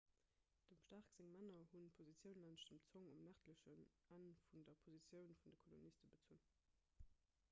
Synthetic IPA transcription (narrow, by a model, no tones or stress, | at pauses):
d̥əmʃtaʁkz̥eŋmænɐhunpʰozit͡sjəʊnlanʃd̥əmt͡soŋumnæʁtləɕənænfundɐpʰozit͡sjəʊnfundəkʰolonistəbət͡sun